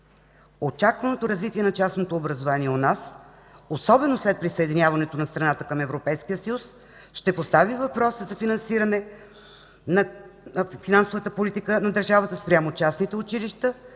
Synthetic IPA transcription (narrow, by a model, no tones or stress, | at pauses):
ot͡ʃakvɐnot̪oɾɐzvit̪ʲiɛnɐt͡ʃasnot̪oːbɾɐzovaniɛonas | osɔbɛnoslɛt̪̚pɾisəɛd̪inʲjavɐnɛt̪onɐst̪ɾɐnat̪əkəmɛvɾopɛjskijəsɐjus | ʃt̪ɛpost̪avivɐpɾɔsəzɐfinɐnsiɾɐnɛ | nɐ | finansovət̪əpolit̪ikənɐd̪əɾʒavət̪əspɾʲamot͡ʃasnit̪ɛʊt͡ʃiliʃt̪ə